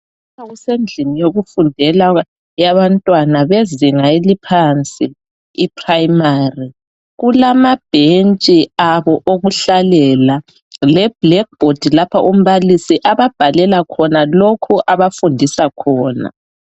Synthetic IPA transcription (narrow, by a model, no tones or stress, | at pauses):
pʰaɣusend͡ɮʱinijoɣufundʱɛla | jaβantʼwanaβeziŋaelipʰant͡sʼiː | pʰrajmari | ɣulamab̥ʱent͡ʃʼiaβɔʔoɣuɬalɛla | lɛb̥lɛk̚b̥ʱod̥ʱilapʰaʔum̩βalisiʔaβab̥ʱalɛlakʰɔnalokʰuʔaβafundʱisakʰɔːna̰